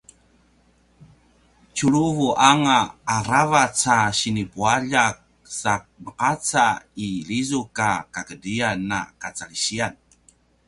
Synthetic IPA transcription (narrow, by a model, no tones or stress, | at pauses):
t͡ɕuɾuvuʔaŋaːɾavat͡saɕinipuaʎak̚ | sak̚bəqat͡sailizukakakədianːa̰kat͡saliɕian